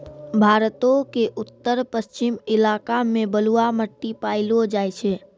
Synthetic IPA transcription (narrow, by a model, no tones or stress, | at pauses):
bʱaːɾt̪õkeʔʊt̪ːəɾpəst͡ʃɪmɪlaːkamẽbəluaməʈːipaːɪlod͡ʒaːjt͡ʃʰɛː